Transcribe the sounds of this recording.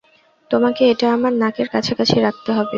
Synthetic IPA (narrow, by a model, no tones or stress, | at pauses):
t̪omakeeʈaamaɾnakeɾkat͡ɕʰakat͡ɕʰeɾak̚t̪eɦɔbe